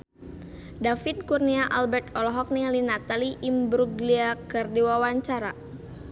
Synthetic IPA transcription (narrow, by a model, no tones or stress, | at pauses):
dafid̪̚kurniaʔalbɛrt̪ɔlɔɦɔk̚nilinat̪aliʔːmbɾuɡliakɨrdiwawaɲt͡ʃaɾa